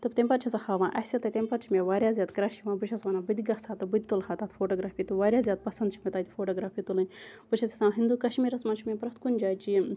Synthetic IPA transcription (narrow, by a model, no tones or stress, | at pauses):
t̪ɨbt̪emʲpɐt̪t͡ʃʰɐsɐhaːʋãːʔɐsʲɐt̪ɐt̪ʲemʲpɐt̪̚t͡ʃʰimeʋaːɾʲjaːzʲjaːd̪kɾaːʃiʋãːbɨt͡ʃʰɐsʋaːnaːbɨd̪iɡɐhsaːt̪ɐbɨd̪̚ʲit̪olhaːt̪aːt̪fʰoːʈoːɡɾaːfiːt̪uʋaːɾʲjaːzʲjaːd̪̚pɐsɐnd̪t͡ʃʰimʲɐt̪aːt̪ʲifʰoːʈoːɡɾaːpʰiːt̪ulɨnʲbɨt͡ʃʰɐsʰʲisãːɦind̪ukɐʃmiːɾɐsmaːnt͡ʃʰimʲepɾɐht̪kunʲd͡ʒaːt͡ʃi